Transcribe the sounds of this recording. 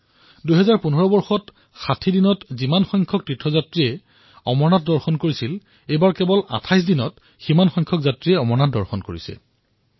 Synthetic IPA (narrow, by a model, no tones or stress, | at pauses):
duɦɛzaɹpunɦɔɹɔbɔɹxɔt | xatʰidinɔtzimanxɔjŋkʰɔk̚tɹitʰɹɔzatɹiɛ | ɔmɔɹnatdɔɹxɔnkoɹisil | ejbaɹkɛbɔla̰tʰajs̬dinɔt | ximanxɔjŋkʰɔkzatɹiɛɔmɔɹnat̚dɔɹxɔnkoɹisɛ̰